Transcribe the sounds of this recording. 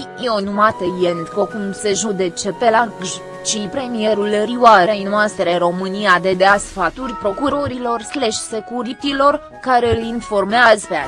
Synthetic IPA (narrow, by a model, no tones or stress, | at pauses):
eonumat̪əjend̪po̞kumseʒud̪e̞t͡ʃe̞pelakʒ | t͡ʃipɾe̞mije̞ɾulriwaɾejnuast̪ɾeɾo̞mɨnijad̪e̞d̪easfat̪urʲpɾo̞kuɾo̞ɾilo̞rsleʃse̞kuɾit̪ilo̞r | kaɾeɨlinfo̞rmeazpea